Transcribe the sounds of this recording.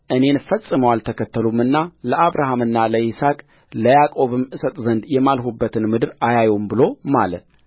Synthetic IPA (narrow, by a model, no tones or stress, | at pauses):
ʔɨne̞nfəsʼɨməwalt̪ʰəkʰət̪ʰːəlumːɨnːaləʔaβɾaɦamɨnːaləisakʼ | ləjakʼo̞βɨmʔɨsət̪ʼzənd̪jɛmalhubːət̪ʰɨnmɨd̪ɨɾajajumbɨlo̞malət̪